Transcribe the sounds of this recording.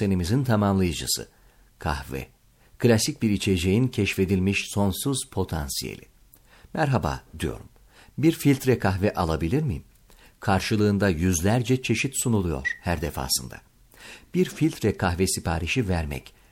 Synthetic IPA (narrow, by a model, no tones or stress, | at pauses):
enimizint̪ʰamamlˠajɯd͡ʒɯ̰sɯ̰ | kʰa̰hvɛ̰ | klʲasic̚biɾit͡ʃʰe̞d͡ʒejincʰɛʃfe̞d̪ilʲmiʃso̞nsuzpʰo̞t̪ʰa̰nsijḛlʲḭ | mæɾɦaba̰ːd̪ijo̞̰ɾum | biɾfilʲt̪ʰɾɛkʰaxvɛʔalˠabilʲiɾmi | kʰaɾʃɯlˠɯːnd̪ajyzlʲæɾd͡ʒɛt͡ʃʰe̞ʃit̪sunulˠujo̞̰ɾ̥hæɾd̪efa̰ːsɯnd̪a̰ | b̥iɾfilʲt̪ʰɾɛkʰaxvɛsipʰaːɾiʃivæɾmɛ̰c